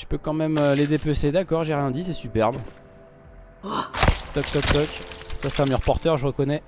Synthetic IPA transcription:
ʒə̥pøkɑ̃mɛmøled̪epøsed̪akɔʁʒeʁjɛ̃d̪is̬ɛsypɛʁb | t̪ɔk̚t̪ɔk̚t̪ɔksasɛ̥ɛ̃məʁpɔʁt̪œʁʒəʁəkɔnɛ

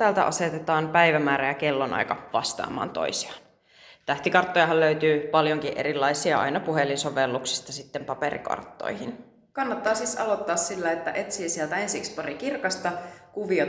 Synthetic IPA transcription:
t̪æːlt̪æ̰ʔɑ̰se̞t̪et̪ɑːmpæjʋæmæːɾæjækelːonʔɑ̰jkɑʋɑ̰st̪ɑ̰ːmɑ̰ːnt̪o̞̰isiɑ̥n | t̪æht̪ikɑrt̪ːojɑɦɑlløyɥt̪yːpɑljoŋkiʔe̞ɾilːɑisiɑɑ̰jnɑpuɦelːinso̞ʋelːuksi̥st̪ɑsit̪ːempɑpeɾḭkɑ̰rt̪ːo̰jhin | kɑnːɑt̪ːɑːsiːsɑlo̞t̪ːɑːssilːæet̪ːæʔet̪siːsiɛlt̪æensikspɑɾikirkɑst̪ɑkuʋio

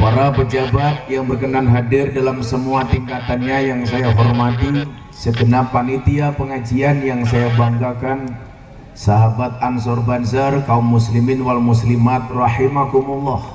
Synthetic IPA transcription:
paɾapəd͡ʒabat̪̚jaŋbərkənaŋɦadɪrdalamsəmuat̪iŋkat̪anɲajaŋsajaɦɔrmat̪i | səɡənapanit̪iapəŋad͡ʒianjaŋs̬ajabaŋɡakan | saɦabat̪̚ans̬ɔrbansərkaumːuslimɪnwalmuslimat̪̚rɑħimakumulːɔh

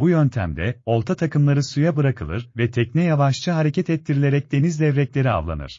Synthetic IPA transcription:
bujønt̪ʰæ̰md̪ɛ̰o̞lˠt̪ʰat̪ʰakʰɯmlˠaɾɯsujabɯɾakʰɯlˠɯ̰ɾvɛt̪ʰɛcnɛjavaʃt͡ʃʰɯɦaɾecɛt̪ɛt̪ʰːiɾilʲe̞ɾɛc̚d̪e̞nizd̪ɛvɾɛclʲe̞ɾia̰vlˠa̰nɯ̰ɾ̥

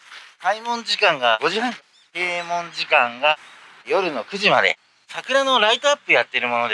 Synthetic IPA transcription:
kaimõ̞ɲd͡ʑikãŋɡaɡo̞ʑihãŋk | keːmõ̞ɲd͡ʑikãŋɡa | jo̞ɾɯ̟no̞kɯ̟ʑimad̪e̞̰ | sakɯ̟ɾano̞ɾait̪oapːɯjat̪ːe̞ɾɯ̟mo̞no̞d̪

